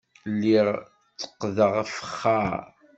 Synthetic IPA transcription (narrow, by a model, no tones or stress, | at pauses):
lːiʁ | t͡sːə̥qːðəʁfəχːaɾ